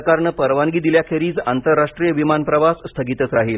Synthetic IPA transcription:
kaɾɳəpəɾʋaŋɡiːd̪iljakʰeɾiːt͡sant̪əɾːaʂʈɾijəʋimanpɾəʋasst̪ʰəɡit̪ət͡sɾaɦiːl

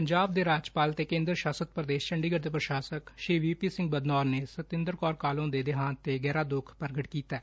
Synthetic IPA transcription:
pəɲd͡ʒaːb̚d̪eːɾaːd͡ʒpaːlt̪eːkẽːnd̪ɾʃaːsət̪̚pɾəd̪eːʃt͡ʃəɳɖiːɡəɾd̪eːpɾəʃaːsəkʃɾiːʋiːpiːsɪ̃ŋɡ̚bəd̪nɔːɾneːsət̪ɪ̃nd̪əɾkɔːɾkaːlõːd̪eːd̪ɪɦaːnt̪eːɡɛːɾaːd̪ʊkʰpəɾɡəʈkiːt̪ɛː

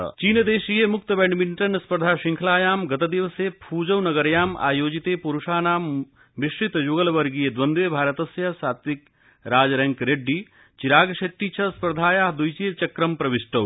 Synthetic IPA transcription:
t͡ʃiːnd̪eːʃiːjemʊk̚t̪ɐbẽɳɖmiɳʈɐnɐspɾɐd̪ʱaːʃĩŋkʰɐlaːjaːmɡɐt̪ɐd̪iʋɐseːpʰuːd͡ʒɐwnɐɡɐɾjaːmʔa̰ːjoːd͡ʒit̪eːpuɾuʃaːnaːm | ʋiʃɾit̪joɡɐlʋɐɾɡijed̪ʋɐnd̪ʋeːbʱaːɾɐt̪ɐsjɐsaːt̪ʋik | ɾaːd͡ʒɾɐ̃ŋkɾeɖːiː | t͡ʃiɾaːɡʃeʈ̪ːit͡ʃʰɐspɾɐd̪ʱaːjaːɦd̪ujt͡ʃijt͡ʃɐkɾɐmpɾɐʋiʃʈɐw

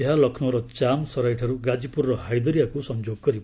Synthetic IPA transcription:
eɦalʌkʰnoɾʌt͡samsʌɾajʈʰʌɾuɡad͡zipurːʌɦajd̪ʌɾjakosʌnd͡zoɡːʌɾi

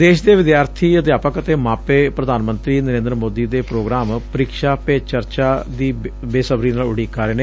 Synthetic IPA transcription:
d̪eːʃd̪eːʋɪd̪jaːɾt̪ʰiːət̪̬ejaːpəkət̪eːmaːpeːpɾəd̪ʱaːnmənt̪ɾiːnəɾẽːnd̪ɾəmoːd̪iːd̪eːpɾoːɡɾaːmpəɾiːkʃaːpeːt͡ʃəɾt͡ʃaːd̪iːbeːsəbɾiːnaːlʊɽiːkaːɾeːneː

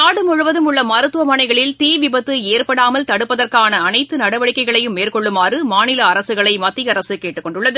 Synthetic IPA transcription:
aːɽɯmʊɻʊʋɐðɯmʊɭːɐmɐɾɯt̪ːɯʋɐmɐɳɐɪɣɐɭɪlt̪iːʋɪbɐt̪ːɯeːrpɐɽaːmɐlt̪ɐɽɯpːɐðɐrkaːnɐːnɐɪt̪ːɯnɐɽɐʋɐɽɪkːɐɪɣɐɭɐjɯmːeːrkɔɭːɯmaːrɯmaːnɪlɐɐɾɐsɯɣɐɭɐɪmɐt̪ːɪjɐɾɐsɯkeːʈːɯkːɔɳɖʊɭːɐðɯ

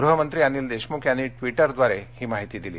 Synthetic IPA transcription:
ɡɾuɦəmənt̪ɾiːaniːld̪eɕmukʰjanːiːʈʋiʈəɾd̪ʋaɾehiːmaɦit̪iːd̪ilḭː

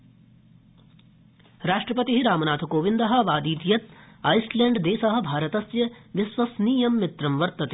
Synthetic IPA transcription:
ɾaːʂʈɾɐpɐt̪iɦiɾaːmɐnaːt̪ʰukoːʋind̪ɐɦɐ̆ʋaːd̪iːt̪ijɐt̪̚ɐjsleːɳɖd̪eːsɐɦɐ̆bʱaːɾɐt̪ɐsjɐʋisʋɐsniːjɐmːit̪ɾɐmʋɐɾt̪ɐt̪e

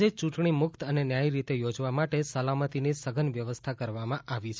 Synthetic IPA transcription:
et͡ʃũʈɳimʊkt̪ənenjajɾit̪ejod͡ʒʋamaʈesəlamət̪inisəɡʱənʋjəʋəst̪ʰakəɾʋamãʔaʋit͡ʃʰ

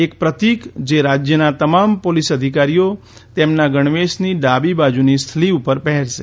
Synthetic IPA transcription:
ekpɾət̪ikd͡ʒeɾad͡ʒjənat̪əmampolisəd̪ʱikaɾijo | t̪emnaɡəɳ̃ʋeʃniɖabibad͡ʒunist̪ʰliupəɾpəɦɛɾʃḛ

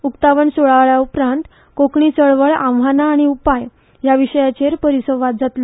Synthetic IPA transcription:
ukt̪aʋəɳsoɭaʋɭjaupɾãnt̪ | kokɳit͡səɭʋəɭãʋʋanaːɽ̃iupaj | jaʋiʂəjat͡ɕeɾpəɾisəʋːat̪̚d͡zʱat̪lə

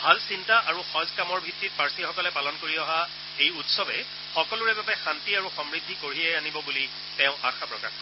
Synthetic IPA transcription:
bʱalsintaʔaɹuxɔ̃zkamɔɹbʱitːit̚paɹsixɔkɔlɛpalɔnkoɹiɔɦa | xejutsɔbɛ̰ | xɔkɔlʊɹɛbapɛxantiaɹuxɔmɹid̪ʱːikoɹiɛanibɔbuli | tɛ̃ʊ̃ʔa̰xʰapɹɔka̰x

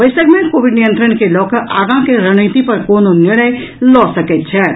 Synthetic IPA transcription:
bəjsəɡmekobiɖnijənt̪ɾənkelɔkəʔaɡãkeɾəñit̪ipəɾkononiɽ̃əj | lɔsəkɛt̪̚t͡ʃʰɛ

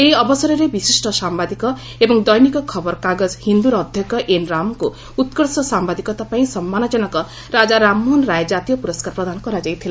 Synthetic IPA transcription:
eiɔbɔsɔɾɔɾebisisʈɔsambad̪ikɔ | ebɔŋd̪ɔjnikɔkʰɔbɔɾkaɡɔzhind̪uɾɔd̪ʱjɔkɔʔenɾamku | ut̪kɔɽsɔsambad̪ikɔt̪apaĩsɔmːanɔd͡ʒɔnɔkɔ | ɾad͡ʒaɾamːɔnɾajd͡ʒat̪ijɔpuɾɔskaɾpɾɔd̪ʱanɔkɔɾad͡ʒajt̪ʰila

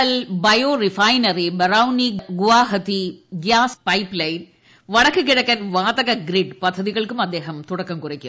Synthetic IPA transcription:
ɐlbɐjoːrɪfɐjnɐɾibɐɾawniɡʊʋaːɦɐt̪iɡjaːspɐɪplɐjn | ʋɐɽɐkːɯk̬ːɪɽɐkːɐnʋaːðɐɣɐɡɾɪɖpɐd̪ʱːɐðiɣɐɭkːɯmɐd̪ːeːɦɐmt̪ʊɽɐkːɐmkʊrɐkʲːu

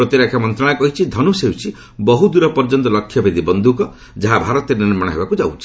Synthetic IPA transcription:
ʌt̪iɾakʰjamʌnt̪ɾaɽ̃akʌɦit͡ʃʰid̪ʱʌnusewt͡sʰi | bɔɦud̪uɾʌpɔɾd͡ʒɔnt̪ɔlʌkʰːjʌbʱid̪ibʌnd̪ʱukɔ | d͡zaɦabʱaɾɔt̪eɾeniɾmaɽ̃aɦḛbakud͡ʒawt͡sʰi

